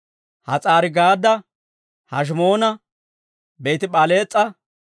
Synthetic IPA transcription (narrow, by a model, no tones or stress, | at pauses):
hɐt͡sʼaːɾɪɡaːd̪ɐ | hɐ̰ʃ̬mo̞ːnɐ | beːt̪ɪɓɐle̞ːt͡sʼːɐ